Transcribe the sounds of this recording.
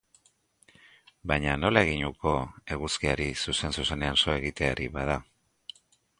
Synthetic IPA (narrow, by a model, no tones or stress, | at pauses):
bajɲano̞lae̞ɣ̞iɲuko̞e̞ɣuskiaɾisuse̞nsuse̞ne̞anso̞e̞ɣ̞it̪e̞aɾiβað̞a